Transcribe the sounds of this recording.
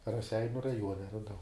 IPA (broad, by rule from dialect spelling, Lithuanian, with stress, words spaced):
rɐˈsʲɛɪnʲʊ rɐˈjuɔnʲɛ rɐˈdɐʊ